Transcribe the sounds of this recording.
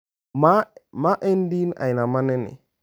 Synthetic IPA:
mamaʔendina̰jnamanɛnḭ

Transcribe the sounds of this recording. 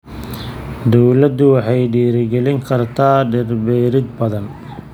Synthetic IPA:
d̪ɔwlɐd̪ʊwɑħɑjɖiːɾɡɛlɪŋkʰɐrt̪ʰaːɖɪrbɛɾɪd̪̚bɐðɐn

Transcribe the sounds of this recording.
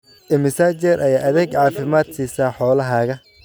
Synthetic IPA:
ʔɛmɪsaːt͡ʃɛrʔɐjaːʔɐðɛːɡʕɑːfɪmaːd̪siːsaːħɔːlɐɦɐːɣɐ

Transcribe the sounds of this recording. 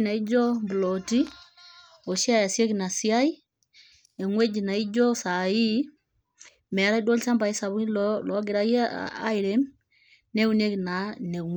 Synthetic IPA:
naid͡ʒɔmbulɔti | oʃjajasjekinasijai | ɛŋwed͡ʒinaid͡ʒɔsai | mɛɾaiɗolisambaisaβuillɔɡiɾaiaiɾɛm | nɛunekinanɛŋw

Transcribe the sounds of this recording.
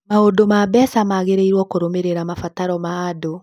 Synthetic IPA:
maodomabɛsamaɣeɾeiɾwɔkoɾomeɾeɾamafataɾɔmaːdo

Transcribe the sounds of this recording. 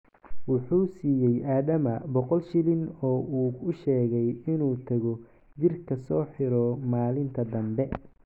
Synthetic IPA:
wʊħuːsiːjɛjʔaːðɐmɐbɔqɔlʃɪlɪnɔːʔuːʊʃɛːɣɛjɪnuːt̪ʰɐɣɔ | d͡ʒɪrkʰɐsɔːħɪɾɔmaːlɪnt̪ʰɐd̪ɐmbɛ

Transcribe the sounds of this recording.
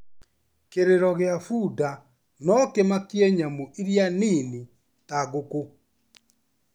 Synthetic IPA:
keɾeɾɔɣeafuda | nɔkemakiɛɲamoʔeɾjaniːni | taɣoko

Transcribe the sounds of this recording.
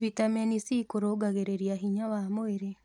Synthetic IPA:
vitamɛnisikoɾoɡaɣeɾeɾiaɦiɲawamoeɾe

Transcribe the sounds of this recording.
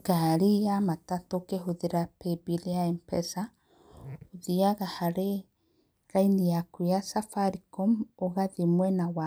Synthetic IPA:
ɡaɾijamatatokeɦoðeɾapebiliaɛmpɛsa | oðiaɣahaɾe | ɾainijakujasafaɾikɔmoɣaðemwɛnawa

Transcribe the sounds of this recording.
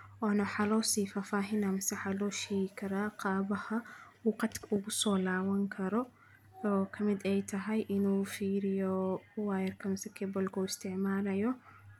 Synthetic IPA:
ʔɔːnɐwħaːlɔːsiːfaːfaːɦɪnamɪsɐħalɔːʃɛjɪkʰɐɾaːqɑːβɐhɐwʊːqɑd̪kʰɐʊɣʊsɔːlaːwɐŋkʰɐɾɔ | ɔːkʰɐmɪd̪ɛjt̪ʰɐɦɐjʔɪnuːfiːɾɪjɔwaːjɐrkʰɐmɪsɛkʰɛbɔlkʰuːɪst̪ʰɪʕmaːlɐjɔ

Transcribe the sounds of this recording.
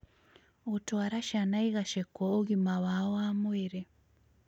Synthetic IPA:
otoaɾaʃanaiɣaʃekooɣimawawoamweɾe

